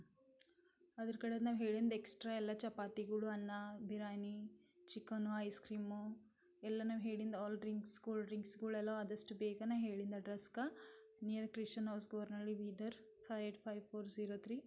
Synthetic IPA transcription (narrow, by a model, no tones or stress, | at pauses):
ɐd̪ɐɾkɐɽed̪naːʋɦeːɭind̪ɐeksʈɾaːɛlːɐt͡ʃɐpaːt̪iɡɐɭuɐnːɐbʱiɾaːnit͡ʃikːɐnuɐjskɾiːmuɛlːɐnaːʋɦe̞ːɭind̪ɐɔːlɖɾiŋksɡoːlɖɾiŋksɡɐɭɛlːoɐd̪ɐsʈubeːɡɐnaɦeːɭind̪ɐɖɾɐskɐnijɐɾkɾist͡ʃɐnɐːsɡoʋɐɾnɐlːiʋiːdɐɾpʰɐeʈʰpʰɐjʋpʰoːɾziːɾoːt̪ʰɾiː